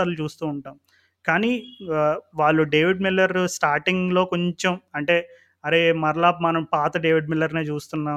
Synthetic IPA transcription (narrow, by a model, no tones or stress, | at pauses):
ɐɾlut͡ʃuːst̪uːɳʈaːm | kaːniː | ʋaːɭːuɖe̞ːʋiɖmilːɐɾsʈaːɾʈiŋɡlo̞ːko̞ɲt͡ʃemɐɳʈe̞ː | ɐɾe̞ːmɐɾlaːpmɐnɐmpaːt̪ɐɖe̞ːʋiɖmilːɐɾneːt͡ʃuːst̪unːaː